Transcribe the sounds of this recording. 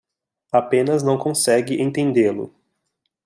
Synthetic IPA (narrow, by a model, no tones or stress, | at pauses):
apẽnɐznɐ̃w̃kõsɛɡɪʔẽnt̪ẽnd̪elʊ̰